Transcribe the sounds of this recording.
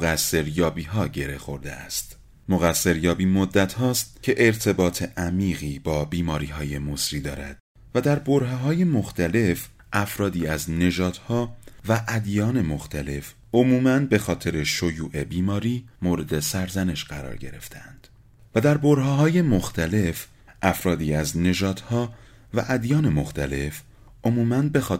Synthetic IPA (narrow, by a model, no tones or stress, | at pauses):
ɣæsːe̞ɾjɒːbiːɦɒːɟe̞ɾe̞xo̞̰ɾd̪ḛæ̰st̪ | moɣæsːe̞ɾjɒːbiːmod̪ːæt̪hɒːst̪̚cʰe̞ʔeɾt̪ʰe̞bɒːt̪ʰe̞ʔæmiːɣiːbɒːbiːmɒːɾiːɦɒːje̞mosɾiːd̪ɒ̰ːɾæd̪̥̚ | væd̪æɾboɾɦɑːɦɒːje̞moxt̪ʰæle̞f | ʔæfɾɒːd̪iːæzne̞ʒɒːd̪̥hɒːvæʔæd̪jɒːne̞mo̞xt̪ʰæle̞f | o̞muːmænbe̞xɒːt̪ʰe̞ɾe̞ʃo̞juːʔe̞biːmɒːɾiːmoːɾe̞d̪e̞sæɾzæne̞ʃɢæɾɒ̰ːɾɟe̞̰ɾe̞̰ft̪ʰeænd̪̥ | væd̪æɾboɾɦɑːɦɒːje̞moxt̪ʰæle̞f | ʔæfɾɒːd̪iːæzne̞ʒɒːd̪̥hɒː | væʔæd̪jɒːne̞mo̞xt̪ʰæle̞f | ʔo̞muːmænbe̞xɒː